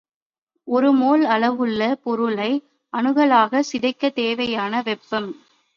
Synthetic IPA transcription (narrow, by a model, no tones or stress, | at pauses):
ɔɾɯmoːlɐɭɐʋɯɭːɐpɔɾɯɭɐɪ | ɐnɯɣɐɭaːɣɐsɪðɐɪkːɐt̪eːʋɐjaːnɐʋɛpːɐm